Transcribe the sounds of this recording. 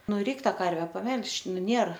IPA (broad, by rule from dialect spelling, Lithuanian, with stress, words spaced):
ˈnʊ ˈrʲɛɪk ˈtɑː ˈkɐrʲʋʲɛ pɐˈmʲɛlˠʃ ˈnʊ ˈnʲeːr